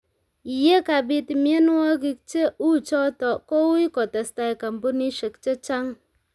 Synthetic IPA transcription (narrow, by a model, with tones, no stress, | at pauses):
i˨je˦ka˨bi˦ti˨mi˦e˦n˦wɔ˦ki˦k̚t͡ʃe˦u˦˨t͡ʃɔ˦tɔ˨ko˦u˦i˦kɔ˨ta˨sta˧i˨ka˨m̩˨bu˦ni˦ʃe˨kt͡ʃe˦t͡ʃa˦ŋ